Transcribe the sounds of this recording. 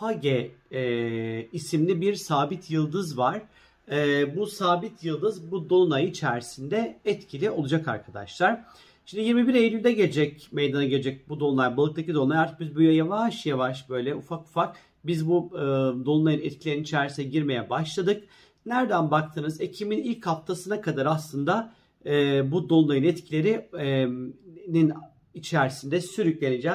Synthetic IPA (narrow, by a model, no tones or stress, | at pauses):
paɟɛ | isimlʲibiɾsaːbit̪ʰjɯlˠd̪ɯzvaɾ̥ | ɛbusaːbit̪ʰjɯlˠd̪ɯzbud̪o̞lˠunajit͡ʃʰæɾsind̪ɛɛt̪cʰilʲio̞lˠud͡ʒaka̰ɾkʰad̪a̰ʃlˠaɾ̥ | ʃimnd̪ijiɾmibiɾejlʲylʲd̪ɛɟed͡ʒɛc̚mejd̪anaɟe̞ed͡ʒɛc̚bud̪ounˠaɾbalˠɯk̚t̪acid̪ounajaɾt̪ʰɯ̥k̚bizbujajavaʃjavaʃbø̞jlʲɛʔufaku̥fak̚ | bizbuɯd̪onlˠajɯnɛt̪̚cʰilʲeɾinit͡ʃʰæɾisinɛɟiɾme̞jɛbaʃlˠad̪ɯk̚ | næɾd̪ænbakt̪ʰɯnɯze̞cʰiminilʲkʰhaft̪ʰasɯnakʰad̪aɾaslˠɯnd̪aː | bud̪o̞nlˠajɯnɛt̪cʰilʲe̞ɾi | nin | it͡ʃʰæɾsind̪ɛsyɾycʲlʲened͡ʒɛ